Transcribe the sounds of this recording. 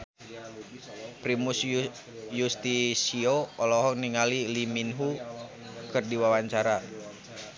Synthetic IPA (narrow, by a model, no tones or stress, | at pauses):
pɾimus | just̪isioɔlɔɦɔniŋaliliminɦu | kɨrdiwawaɲt͡ʃaɾa